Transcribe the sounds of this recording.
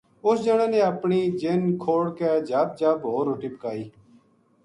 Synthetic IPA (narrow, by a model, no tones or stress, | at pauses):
ʊsd͡ʒəɳãːnẽːəpɳiːd͡ʒɪnkʰoːɽkɛːd͡ʒəb̚d͡ʒəbɦoːɾoːʈiːpəkaːiː